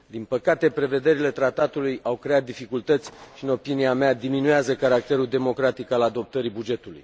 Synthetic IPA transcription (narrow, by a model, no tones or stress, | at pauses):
d̪inpəkat̪e̞pɾe̞ve̞d̪e̞ɾile̞t̪ɾat̪at̪ulujʔawkɾe̞at̪̚d̪ifikult̪ət̪sʲʃiɨno̞piniamead̪iminueazəkaɾak̚t̪e̞ɾuld̪e̞mo̞kɾat̪ikalad̪o̞p̚t̪əɾibud͡ʒe̞t̪ulṵj